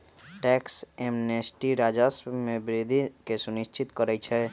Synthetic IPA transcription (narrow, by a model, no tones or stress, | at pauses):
ʈɛksemnesʈiɾad͡ʒəsmebɾid̪ʱikesuniʃt͡ʃʰit̪kəɾɛt͡ʃʰɛ